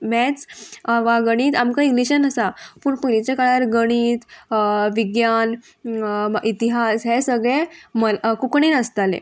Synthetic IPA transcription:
mɛt͡sʋaɡəɽ̃iːt̪amkaiɡliɕənəsapuːɳpunit͡ɕakaɭaɾɡəɽ̃iːt̪ʋiɡjan | ʔit̪iɦasɦesəɡɭeməkukɳenəst̪alḛ

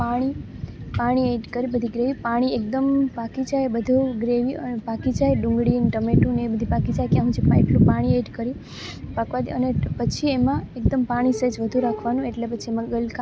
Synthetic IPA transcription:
paɽ̃i | paɽ̃ieʈkəɾibəd̪ʱiɡɾeʋipaɽ̃iek̚d̪əmpakid͡ʒajbəd̪ʱuɡɾeʋiəpakid͡ʒajɖʊ̃ŋɡɽinʈəmeʈũnebəd̪ʱipakid͡ʒajkjãɦũd͡ʒipaiʈlũpaɽ̃ieʈkəɾi | pakʋad̪ḭənepət͡ʃʰiemãek̚d̪əmpaɽ̃ised͡ʒʋəd̪ʱuɾakʰʋanũeʈlepət͡ʃʰiemãɡəlka

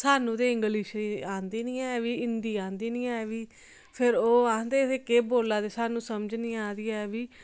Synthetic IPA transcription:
saːnũːt̪eːɪŋɡəliːʃɾiːãːnd̪iːnĩːɛːʋiːɪnd̪iːãːnd̪iːnĩːɛːʋiː | pʰɪɾoːaːnd̪eːt̪eːkeːboːlːaːd̪eːsaːnũːsəmd͡ʒnĩːaːd̪iːɛːʋiː

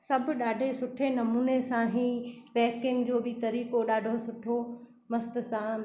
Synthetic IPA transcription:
sɐbʱʊ̆ɗaːɖʱesʊʈʰenɐmuːnesãɦiːʋɛːkɪ̃ŋɡd͡ʑoːbɪt̪ɐɾiːkoɗaːɖʱosʊʈʰo | mɐst̪ʊ̆sã

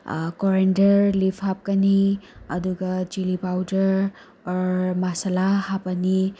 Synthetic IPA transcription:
kɔɾendəɾlipʰap̚kaniʌ̰d̪uɡʌd͡ʒilipawdəɾ | ɔɾmasalahapani

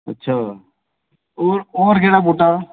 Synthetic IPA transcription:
ətːʃʰaː | oɾoːɾɡeːɽaboːʈa

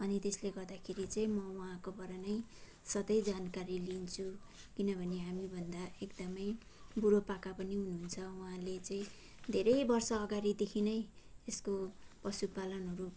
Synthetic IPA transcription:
ʌnit̪esleɡʌrd̪akʰeɾit͡sʌĩmʌuɦãkobʌɾanʌj | sʌd̪ʌjd͡zankaɾilint͡sʰu | kinʌbʱʌneɦamibʱʌnd̪aekd̪ʌmʌj | buɾopakapʌniɦunuɦunt͡sʰʌuɦãlet͡sʌĩ | d̪ʱeɾʌjbʌrsʌːɡaɾid̪ekʰinʌj | eskopʌsupalʌnɦʌɾu

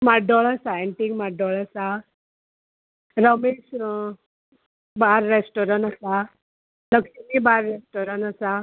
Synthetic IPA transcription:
maɖɔɭəsaeɳʈiŋmaɖɔɭasa | ɾəmes | baɾːesʈɔɾənasa | nəksimibaɾːesʈɔɾənasa

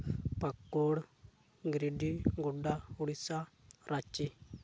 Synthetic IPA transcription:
pakːoɽ | ɡɾiɖiɡuɖauɽisaɾʔat͡ʃːi

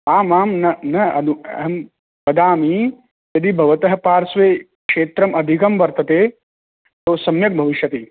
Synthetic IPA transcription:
aːmaːmnɐnɐɐd̪uɐ̰ɦɐm | pɐd̪aːmi | jɐd̪ibʱɐʋɐt̪ɐɦɐpaːɾsʋeːkʂeːt̪ɾɐmɐd̪ʱikɐmʋɐɾt̪ɐt̪eː | t̪oːsɐmjɐk̚bʱɐʋiʃjɐt̪i

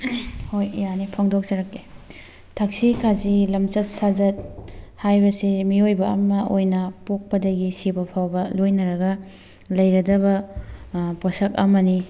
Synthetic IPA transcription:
hojjanipʰɔŋdok̚sɐɾɐkːe | tʰɐksikʰazilɐmt͡ʃɐt̚sazɐt̚hajbɐsimiojbɐɐ̰mɐʔojnɐpok̚pɐdɐɡisibɐpʰawbɐlojnɐɾɐɡɐ | lɐjɾɐdɐbɐ | posɐk̚ɐ̰mɐni

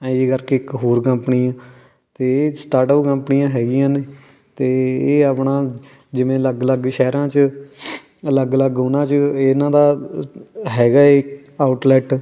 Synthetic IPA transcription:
ɛ̃ːd͡ʒiːkəɾkeːɪkɦoːɾkəmpnijãː | t̪eːsʈaːɾʈəpkəmpnijãːɦɛːɡɪjãːneː | t̪eːeːəpɳãː | d͡ʒɪʋẽːləɡələɡʃɛːɾãːt͡ʃə | ələɡələɡʊnãːt͡ʃəeɪnãːd̪aː | ɦɛːɡaːeː | aːʊʈlɛːʈ

